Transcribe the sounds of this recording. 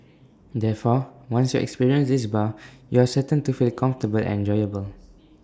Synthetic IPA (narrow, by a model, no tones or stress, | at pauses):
dɛfɔwãnsjuɛ̰kspiɹiə̃nsdisbajuasətə̃ntufilkʰãɱftəbəl̰ɛ̰̃nd͡ʒɔjəbəl